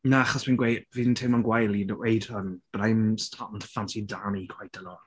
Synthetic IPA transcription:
naaχɔsminɡwejdvintʰɪmanɡwajlˠidwejdhənb̥rajmstʰɔndʰfantidanikʰwajd̥əlɔ

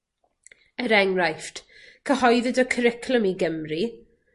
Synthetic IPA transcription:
ɛɾɛŋrajft | kʰəhɔjðɪdɔkʰəɾɪkʰləmiɡəmri

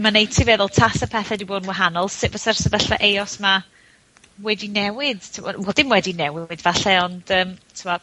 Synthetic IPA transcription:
manejtʰivɛðʊlˠtʰasəpʰɛθɛdiboːdnwaɦanɔlˠsɪvəsarsəvɛɬvaʔejɔsma | wɛdinɛwɪd̥tʰɪmɔ̰wɛlˠd̥ɪmwɛdinɛwɪdvaɬɛɔnd̥əːmtʰɪmɔ

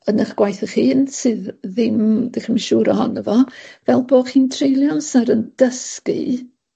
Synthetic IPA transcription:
ənəχɡ̥wajθəχiːnsɨððɪmdɛχənmaʃuːɾɔ̰hɔ̰nəvɔvɛlˠboːχiːntʰrejlˠjɔnsaɾənd̥əskɨ̰

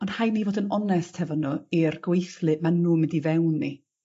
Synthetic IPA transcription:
ɔnd̥hajniːvoːdənɔnɛsthɛvɔnuirɡ̥wejθlˠɨʔmanːuːmɪ̃ndivɛwnːi

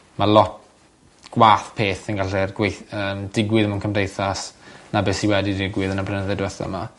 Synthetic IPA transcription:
mʔalˠɔt̚ | ɡ̥waːθpʰeːθənɡaɬɛrɡwejθəːmdɪɡwɪðəmunkʰəmdejθasnabesiwɛdidɪɡwɪðənablənəðɛdwɛθa̰ma

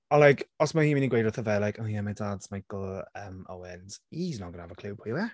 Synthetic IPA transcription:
ɔnlajkʰɔsmahiːmɪniɡwejdɔθəvɛlajkʰoːjɛmadaːdz̥majkl̩ˠəmo̰wɛnz̥iznɔɡənahavəkʰl̥ˠub̚pʰiwɛ

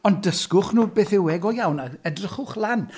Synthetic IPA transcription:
ɔndəskʊχnuːbeːθɪwɛɡɔjawnaɛdrɪχʊχlˠan

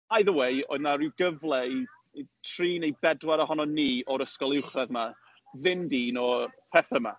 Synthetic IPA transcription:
ajðəwejɔ̰naɾɪwɡəvlˠɛj | tʰriːnejbɛdwaɾəɦɔnɔniːɔɾəskɔlˠɪwχrɛðma | ðɪndiːnɔpʰɛθəma̰

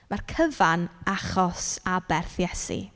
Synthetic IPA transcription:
markʰəvanaχɔsabɛrθjɛsḭ

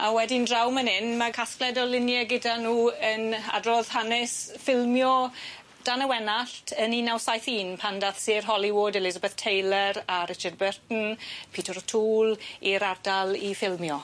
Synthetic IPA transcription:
awɛdɪndrawmənɪnmakʰasklɛdɔlɪnjɛɡɪdanuːəna̰drɔð̥hanɪsfɪlˠmjɔ | d̥anəwɛnaɬtʰəninawsajθiːnpʰandaθsɪːrɦɔliwoːdɛlɪzabɛθtʰejlˠəɾaɾɪt͡ʃard̚bɛrtn̩pʰiːtʰəɾtʰuːliɾardalˠifɪlˠmjɔ

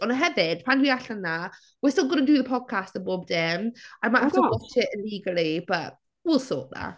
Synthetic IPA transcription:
ənəɦɛvɪd̥̚pʰãndwiaɬənːa | wɪstɪlˠɡənəduðəpʰɔd̥̚kʰastəboːb̚dɛmaɪmaɪʔaftəwɔt͡ʃɪtɪliːɡəlˠib̥əʔ | wɪlˠsɔ̰ːˑʔða̰

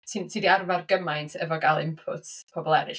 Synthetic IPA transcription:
tʰintʰidiarvarɡəmajntʰɛvɔɡalˠɪ̰mpʰʊtʰpʰɔbɔlˠɛɾɨ

